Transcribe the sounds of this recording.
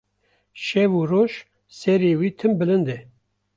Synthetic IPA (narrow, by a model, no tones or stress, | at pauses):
ʃɛvuːroːʃ | sɛɾeːwiːt̪ʰɨmbɨlɨnd̪ɛ